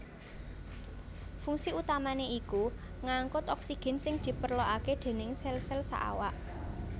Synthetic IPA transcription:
fuŋsiut̪amaneiku | ŋaŋkʊt̪ɔksiɡ̥ɛ̤nsɪŋd̪̥i̤pərloʔaked̪̥e̤nɪŋsɛlsɛlsa̰ʔa̰waʔ

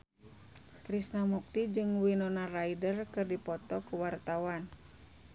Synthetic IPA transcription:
kɾisnamuk̚t̪id͡ʒɨŋwinɔnaraidərkɨrdipɔt̪ɔkuwart̪awan

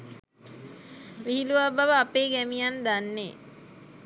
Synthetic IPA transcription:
ʋiɦiluʋabaʋəapeːɡæmijand̪anːe

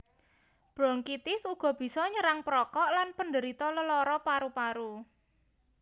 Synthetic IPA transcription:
b̥ɾɔŋkit̪ɪsuɡ̥ɔ̤b̥i̤sɔɲəɾaŋpɾɔkɔʔlanpəndəɾit̪ɔləlɔɾɔpaɾupaɾu

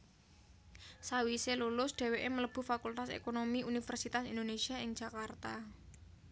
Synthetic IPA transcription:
sawiselulʊsɖ̥e̤weʔemələb̥ṳfakult̪asḛkonomiunifɛrsit̪asind̪onesiaɪŋd̥ʒ̥a̤kart̪a

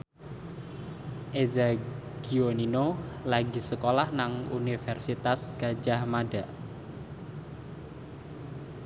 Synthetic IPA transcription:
ʔezaɡ̥ioninolaɡi̤səkolahnaŋunifɛrsit̪asɡ̥a̤d͡ʒahmaɖaʔ

